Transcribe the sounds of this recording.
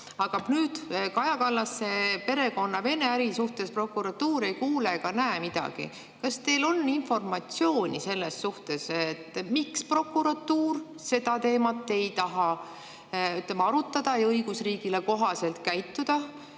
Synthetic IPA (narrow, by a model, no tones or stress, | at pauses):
ɑkɑbnyːd̪̥kɑjɑkɑlːɑsːepe̞ɾe̞ko̞nːɑve̞ne̞æɾisuht̪e̞spro̞kːˑuɾɑt̪ːuːɾe̞jkuːle̞ɡ̥ɑnæemid̪̥ɑ̰ɡ̥ḭ | kɑst̪e̞lo̞nːinfo̞rmɑt̪sio̞ːnʲise̞lːesːuht̪e̞seet̪ːˑmikspro̞kːuɾɑt̪ːuːr | se̞d̪ɑt̪e̞ːmɑt̪ːe̞jt̪ɑɦɑ | yt̪ːˑlemɑɾut̪ːˑɑd̪̥ɑjɤjɡ̥usriːɡ̥ileko̞ɦɑse̞lt̪kæjt̪ːud̪̥ɑ